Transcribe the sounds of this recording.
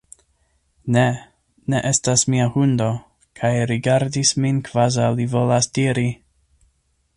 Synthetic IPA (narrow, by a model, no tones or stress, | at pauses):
ne | ne̞ʔe̞stasmiahundo̞ | kʰajɾiɡaɾdisminkv̥azawlivo̞lasdiɾi